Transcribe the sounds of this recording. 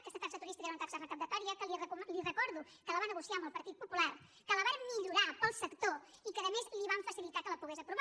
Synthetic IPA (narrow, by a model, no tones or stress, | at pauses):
kɛst̪ət̪aksət̪uɾist̪ikəeɾunət̪aksərəkənd̪ət̪ɔɾiəkəlirəlirəkɔɾðu | kələβanəɣusiaəmbəlˠpəɾt̪it̪̚pupulaɾ | kələβamiʎuɾapəlˠsəkt̪oikəðəmezliβaɱfəsilit̪akələpuɣezəpɾuβa